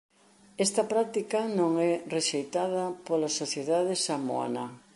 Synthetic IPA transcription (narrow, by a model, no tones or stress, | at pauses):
ɛst̪ɐpɾat̪ikɐnõŋɛreʃejt̪að̞ɐpolasoθjeðað̞esamo̰a̰na